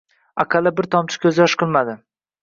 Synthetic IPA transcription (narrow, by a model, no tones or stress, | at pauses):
aqʰalɪbɪɾt̪ʰɒmt͡ʃʰɪ̥kʲʰɵzɪjɒʃqʰɨlˠmad̪ɪ